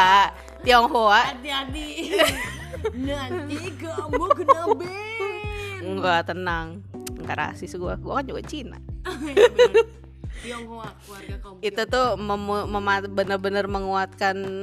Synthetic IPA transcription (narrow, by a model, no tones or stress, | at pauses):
a | t̪iɔŋɦoadiadi | iɡaoɡənb | ŋɡat̪ənaŋŋɡa̰ʔɾa̰sɪsɡua̰ɡuakand͡ʒuɡat͡ʃina̰ | iŋɦo | it̪ut̪ʊməmməmabənərbənərməŋuat̪̚kan